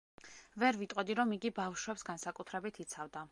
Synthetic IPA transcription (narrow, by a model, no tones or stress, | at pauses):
vɛɾvit̪ʼɔd̪iɾɔmiɡibafʃwɛpsɡansakʼut̪ʰɾɛbit̪ʰit̪sʰavd̪a